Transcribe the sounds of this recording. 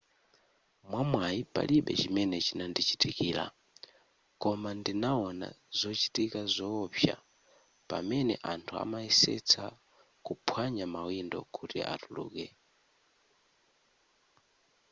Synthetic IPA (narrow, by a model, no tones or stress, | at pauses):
mwamwajipa̰liɓɛt͡ʃimɛnɛt͡ʃinandit͡ʃi̥tikiːla̰ | kɔmandinaɔna̰zɔt͡ʃi̥tikazɔpja̰ | pa̰mɛnɛ̰ʔantʰua̰maisɛ̰t͡sʰa | kupʰwaɲamawindɔ̰kutḭʔa̰tulṵːkɛ